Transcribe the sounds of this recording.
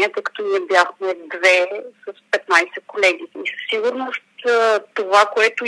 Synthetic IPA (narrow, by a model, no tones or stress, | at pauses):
ɛt̪əjkɐ̥t̪ɔniɛbjaxmɛd̪vɛsɐspɛt̪najsɛkolɛɡʲiisə̥sːiɡuɾnost̪t̪ovakoɛt̪ʊ